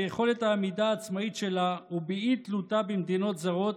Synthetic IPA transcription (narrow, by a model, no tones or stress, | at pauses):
ejeχo̞le̞t̪haːmid̪aːt͡smaitʃe̞laubiit̪lut̪abimd̪ino̞t̪zaʁo̞t̪